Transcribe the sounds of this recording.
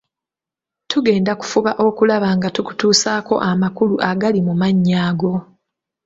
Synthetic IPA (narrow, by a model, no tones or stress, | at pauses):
tuɡe̞ːndaku̥fuβaʔo̞kulaβaŋɡatuku̥tuːsaːko̞̰ʔamakuluʔaɡalimumaɲːaːɡo̞